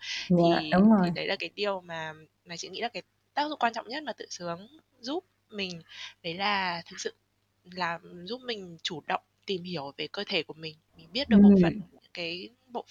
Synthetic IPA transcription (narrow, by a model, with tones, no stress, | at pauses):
ɲaiː˧˩ɗʊ˨˦ŋ͡mzo˨˩˨jɗə˨˦jlaː˨˩kaː˨˦jɗi˨˩əwmaː˨˩ | maː˨˩t͡ɕḭ˧˥ŋḭ˧˥laː˨˩kaː˨˦j | t̪aː˦˥k̚zʊ̰˧˨ŋ͡mkwaː˧nt͡ɕɔ̰˧˨wŋ͡mɲə˦˥t̚maː˨˩t̪ɨ̰˧˨sɨ˨˦əŋ | zu˦˥p̚ | mï˨˩ŋ̟ɗə˨˦jlaː˨˩t̪ʰɨ˨˩k̚sɨ̰˧˨ | laː˨˩zu˦˥p̚mï˨˩ŋ̟t͡ɕu˧˩ɗə̰˧˨wŋ͡mt̪i˨˩mhi˨˧˩əwve˨˦jkəː˧t̪ʰe˧˩ku˧˩əmï˨˩ŋ̟mi˨˩ŋ̟ɓi˦˥ət̚ɗɨ˨˩˨ɓo̰˨˩fə˨˩n̰˧˥kaː˨˦j | ɓo̰˧˨